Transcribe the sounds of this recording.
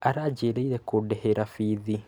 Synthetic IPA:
aɾaːd͡ʒeɾeiɾekoɖeheɾafiði

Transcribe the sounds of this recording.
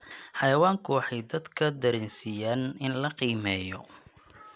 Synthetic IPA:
ħɑjɐwaːŋkʰʊwɑħɑjd̪ɐd̪kʰɐd̪ɐɾɪnsijaːnɪnlɐqiːmɛːjɔ̰

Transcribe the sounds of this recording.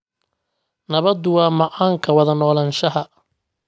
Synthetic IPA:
nɐβɐd̪ʊwɑːmɐʕaːŋkʰɐwɐðɐnɔːlɐnʃɐɦɐ

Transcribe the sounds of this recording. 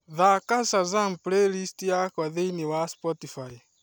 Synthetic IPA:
ðakasazamplelistiakwaðejniwaspɔtifaj

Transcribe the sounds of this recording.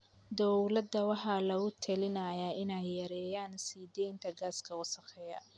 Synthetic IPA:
d̪ɔlɐd̪ɐwɑħɑlɐɡʊt̪ʰɐlɪnɐjaːʔɪnɛjːɐɾɛːjaːnsiːd̪ɛjnt̪ʰɐɡaːskʰɐwʊsɐqɛjɐ̰

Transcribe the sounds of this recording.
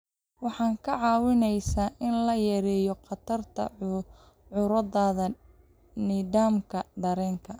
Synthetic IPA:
wɑħɑːŋkʰɐʕɑːwɪnɛjsaːʔɪnlɐjɛɾɛːjɔqɑt̪ʰɐrt̪ʰɐ̰ | ʕʊɾɐðaːðɐ | niːdaːmkʰɐɖɐɾɛːŋkʰɐ

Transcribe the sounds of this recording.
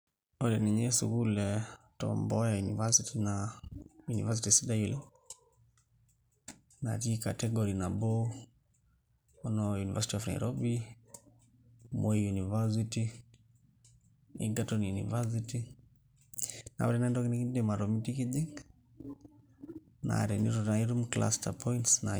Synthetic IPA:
ɔlɛniɲɛsukulɛ | tɔ̰mbɔjajunivasitinajunḭvas̬itisidajilɛ | na̰tika̰tɛɡɔɾinabɔ | ɔnɔjunivasitiɔfna̰jiɾʔɔbi | mɔijunivas̬iti | ḭɡatɔnjunḭvas̬iti | na̰ɔɾɛnaɛndɔkinikidɛmaɾɔmitikidi | na̰ɾɛniɾɔtaiɾumkla̰stapʰɔintsna̰

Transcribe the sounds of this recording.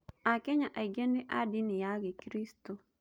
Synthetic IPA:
akɛɲaʔaɡendiʔadɪnɪjaɡɪkɾisto

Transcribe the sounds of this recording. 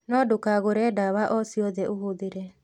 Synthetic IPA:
nɔdukaɣoɾɛdaβaʔɔsiɔd̪ɛʔuɦud̪iɾɛ

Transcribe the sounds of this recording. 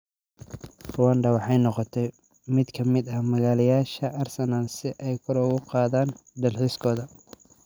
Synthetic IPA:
wɐnɖɐwɑħɑjnɔqɔt̪ʰɛj | mɪd̪kʰɐmɪd̪ɐhmɐɣaːlɪjaːʃɐʔɐrsɐnaːlsɪʔɛjkʰʊɾɔɣʊqɑːðaːnd̪ɐlħiskʰɔːðɐ

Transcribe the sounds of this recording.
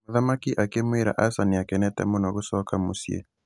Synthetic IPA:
maðamakiʔakemweɾa̰ʔasaniakɛnɛtɛ̰monɔɣosɔkamosjḛ

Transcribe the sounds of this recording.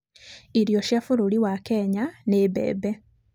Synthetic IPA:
iɾjoʃjafuɾuliwakeɲanebɛ̰ːbe

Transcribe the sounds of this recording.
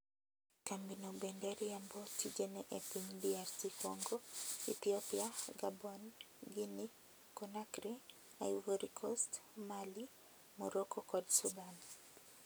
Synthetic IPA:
kambinɔbɛndɛɾiambɔtid͡ʒɛnɛʔɛpindiaɾsikɔŋɡɔiθiɔpiaɡabɔn | ɡini | kɔnakɾi | aiɡuɾikʰɔstmali | mɔɾɔkɔkɔdsudan

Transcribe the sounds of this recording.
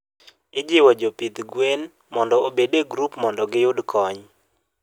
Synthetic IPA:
ɪd͡ʒɪwɔd͡ʒopɪd̪ɡwen | mɔndɔobedeɡɾupmɔndɔɡɪjʊdkʰɔɲ

